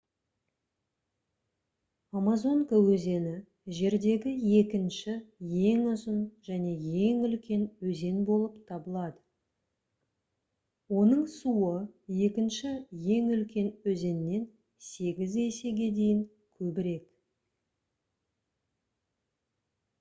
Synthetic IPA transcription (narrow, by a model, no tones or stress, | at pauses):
amazo̞ŋkawɵze̞nɪ | ʒe̞ɾd̪e̞ɡʲɪje̞kʲɪnʃɪje̞ŋʊzənʒ̥æne̞je̞ŋʏlkʲe̞nwɵze̞nbo̞lˠəpt̪ʰɑbəlˠɑd̪ə | wo̞nəɴsuəje̞kʲɪnʃɪje̞ŋʏlkʲe̞nwɵze̞nːe̞n | se̞ɡʲɪze̞se̞ɡʲe̞d̪e̞jɪŋ | kʲʰɵbɪɾe̞k